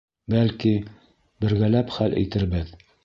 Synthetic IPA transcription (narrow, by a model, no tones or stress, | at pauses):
bælki | bɘ̆ɾɡælæpχælʔɘ̰t̪ɘ̆ɾbɘð